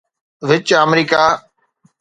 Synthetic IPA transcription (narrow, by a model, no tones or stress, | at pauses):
ʋɪt͡ʃəmɾiːkaː